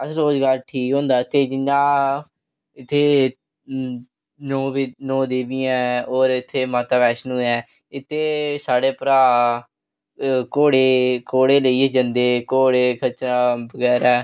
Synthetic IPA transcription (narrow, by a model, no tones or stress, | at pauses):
əsɾoːzɡaːɾʈʰiːkɦõːnd̪aːɪt̪ʰːeːd͡ʒɪnãː | ɪt̪ʰːeː | nõːbinõːd̪eːbiːɛ̃ːoːɾɪt̪ʰːeːmaːt̪aːʋɛːʃnũːɛː | ɪt̪ʰːeːsaːɽeːpɾaː | koːɽeːkoːɽeːləiːɛd͡ʒənd̪eːkoːɽeːkʰət͡ʃaːbəɡɛːɾɛː